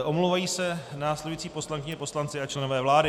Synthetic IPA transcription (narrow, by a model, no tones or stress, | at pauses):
ʔomlowvajiːsɛnaːslɛduit͡siːpo̞slaŋkɪɲɛpo̞slant͡sɪat͡ʃlɛnovɛːvlaːdɪ